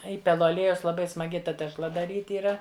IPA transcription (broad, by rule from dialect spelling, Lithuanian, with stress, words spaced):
ˈiːpʲɛlˠʊ ɐˈlʲiɛjɛʊs lˠɐˈbɐɪ smɐˈɡʲɪ ˈtɐ tʲɛʃˈlˠɐ dɐˈrʲiːtʲ iːˈrɐ